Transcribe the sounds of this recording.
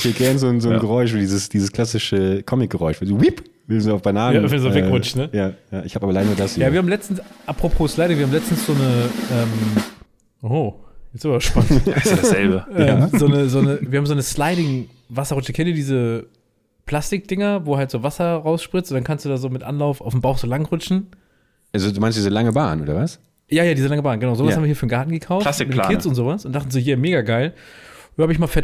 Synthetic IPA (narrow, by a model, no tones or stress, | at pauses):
hiːɐɡɛɐnzoːnzoːnɡəʁɔʏʃ̬ʔoːddiːzəsd̥iːzəskʰl̥asɪʃəkʰɔmɪk̚ɡ̥əʁɔʏçv̥ɛzowip | vɪnzoːaʊfb̥anaːnəavɛzoːvɛʁʊt͡ʃtnəjaːjaːʔɪçhabaːbɐlaɪnuːɐdasijaːiːɐhabmlɛt͡stn̩sʔapʁ̥opʰoːslaɪɪŋviɐhamlɛt͡stn̩sz̥oːnəʔɛːm | ʔojjɛt͡sszɪnvɐɐʃpantsɛbəʔɛamzoːnəzoːnəv̥iːɐhabmzoːnəslaɪɾɪŋ | vasɐʁʊt͡ʃəkʰɛndiːɐdiːzə | pʰl̥astɪk̚d̥ɪŋɐvoːɦaltz̥oːvasɐʁaʊsʃpʁ̥ɪt͡stʔʊntd̥ankʰanstd̥uːdaːzoːmɪtʔa̰nlaʊfʔa̰ʊfm̩baʊxz̥oːlaŋʁʊt͡ʃn̩ | ʔazoduːmaɪnstd̥iːzəlaŋəba̰ːnʔo̰ːdɐ̰vas | jaːjaːdiːzəlaŋəbaːnɡənaʊzoːvasabmviɐiɐfyːɐnɡaɐtn̩ɡəkʰaʊflasɪkmɪtlakːɪt͡sʊntz̥oːvasʔʊntd̥aχtn̩zoːjiːɐmeːɡaɡaɪlvuːhabəɪçmaːfɛɐ